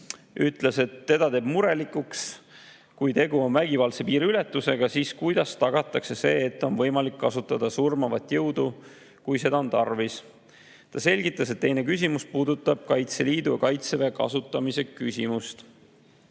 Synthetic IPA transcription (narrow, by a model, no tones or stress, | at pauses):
ʔyt̪ˑlese̞t̪ːe̞d̪ɑt̪e̞ːb̥muɾe̞likuks | kujt̪e̞ɡuo̞nvæɡ̥ivɑlse̞piːɾiylet̪ːˑuse̞ɡ̥ɑsiːskujd̪̥ɑst̪ɑɡ̥ɑt̪ːˑɑkse̞se̞̰ːt̪ːˑo̞nvɤ̞jmɑlikːɑsut̪ːˑɑd̪̥ɑsurmɑvɑt̪ːˑjɤwd̪̥u | kujse̞d̪ɑo̞nt̪ɑrvis | t̪ɑse̞lʲɡ̥it̪ːˑɑse̞t̪ːe̞jne̞kys̬ʲimuspuːd̪ut̪ːˑɑb̥̚kɑjt̪se̞liːd̪ujɑkɑjt̪sevekɑ̰sut̪ːˑɑmise̞kysʲimust̪